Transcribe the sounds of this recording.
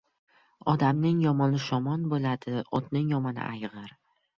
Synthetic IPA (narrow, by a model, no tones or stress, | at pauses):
ɒd̪amnɪŋjɒmɒnɪʃɒmɒnbolad̪ɪɒt̪nɪŋjɒmɒnɪ̰ʔajʁɨɾ